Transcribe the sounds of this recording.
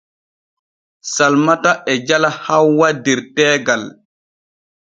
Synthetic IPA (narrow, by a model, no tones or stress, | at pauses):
salmataʔɛd͡ʒalahawwadɛɾtɛːɡal